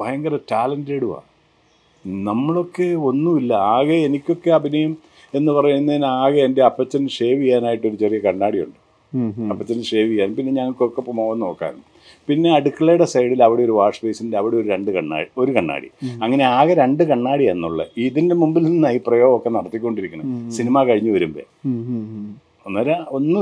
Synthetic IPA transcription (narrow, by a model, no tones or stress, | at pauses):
bʱɐjɐŋɡɐɾɐtaːlɐndeːɽua̰ː | nɐmːɐɭo̞kːe̞o̞nːuilːɐaːɣɐenikʲːo̞kːeɐbʱinɐjɐm | e̞nːɨpɐrɐjunːenaːɣɐendeɐpːɐt͡ɕːɐnʂe̞ːʋijaːnaːjiʈːo̞ɾut͡ɕerijɐkɐɳːaːɽijuɳɖɨ | ɐpːɐt͡ɕːɐnɨʂe̞ːʋijːaːnpinːe̞ɲɐŋːɐɭkːokːepːɐmoːɣɐno̞ːkːa̰ːn | pinːe̞ɐɽukːɐɭɐjɽesɐjɽilɐʋiɽe̞oɾuʋaːʂɐpejsindeɐʋiɽe̞o̞ɾuɾeɳɖɨkɐɳːa̰ːio̞ɾukɐɳːa̰ːɽḭɐŋːɐne̞aːɣɐɾeɳɖɨkɐɳːaːɽienːuɭːɐ̰iðinde̞mumbilninːaːiprɐjoːɣɐmokːenɐɽɐt̪ːikʲːo̞ɳɖiɾikʲːuɳɐsinimaːkɐɻiɲːuʋɐɾumbḛ | onːɐːɾɐo̞nːɨ